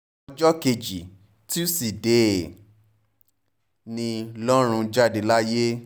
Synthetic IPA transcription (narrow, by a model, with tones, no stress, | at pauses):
d͡ʒɔ˦ke˧d͡ʒi˨ | ti˦si˨de˨ | nĩ˧lɔ˦ɾ̃ũ˧d͡ʒa˦de˨la˦je˦